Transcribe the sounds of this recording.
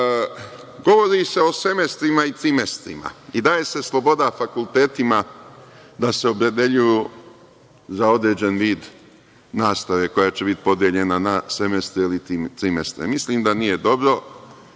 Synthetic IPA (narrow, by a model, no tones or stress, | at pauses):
ɡo̞ʋo̞ɾise̞o̞se̞mest̪ɾimait̪ɾimest̪ɾima̰id̪aːje̞se̞slˠo̞bo̞d̪afakulˠt̪e̞ːt̪ima | d̪ase̞o̞pɾe̞d̪e̞ʎuju | zao̞d̪ɾe̞ːd͡ʑenʋiːd̪ | naːst̪aʋe̞ko̞jaːt͡ɕe̞bit̪i̥po̞d̪je̞ʎenanase̞mest̪ɾeilit̪ɾimest̪ɾḛmisliːmd̪anije̞d̪o̞bɾo̞